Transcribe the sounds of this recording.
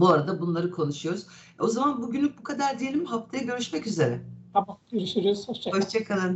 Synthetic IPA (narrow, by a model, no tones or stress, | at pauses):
buaɾad̪abunlˠaɾɯkʰo̞nuʃujo̞ɾuz̥ | o̞zamanbuɟynlʲyk̚bukʰad̪aɾd̪ije̞lʲimɦaft̪ʰajaɟø̞ɾyʃmɛcyze̞ɾɛt̪amabiɾiʃeɾizhoʃt͡ʃʰahoʃt͡ʃʰakʰalˠɯn